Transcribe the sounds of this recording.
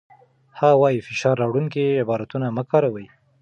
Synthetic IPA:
hɑwɑjifɪʃɑɾːɑwɽuŋkiɪbɑɾat̪unaməkɑɾawəj

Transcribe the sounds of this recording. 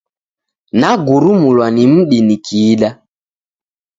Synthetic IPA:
naɡuɾumulwanim̩ɗinikʰiːɗa

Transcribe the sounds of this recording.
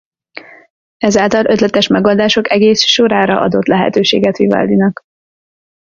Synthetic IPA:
ɛzaːlt̪ɒlʔøt̪lɛt̪ɛʃmɛɡold̪aːʃo̞kɛɡeːsʃoɾaːɾɒ̰ʔɒ̰d̪o̞t̪lɛɦɛ̰t̪øːʃḛːɡɛt̪ʋiva̰ːld̪inɒk

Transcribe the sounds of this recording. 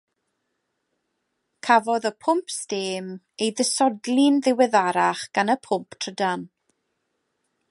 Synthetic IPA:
kʰavɔðəpʰʊmpʰsteːm | ejðəsɔdlˠɪnðɪwɛðaɾaχɡ̥anəpʰʊmpʰtʰrədan

